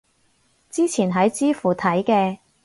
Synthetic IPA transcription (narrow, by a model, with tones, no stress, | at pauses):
t͡siː˥t͡sʰiː˨˩nɦɐ˨˥jt͡siː˥fuː˨˩t̪ʰɐ˨˥jkɛː˧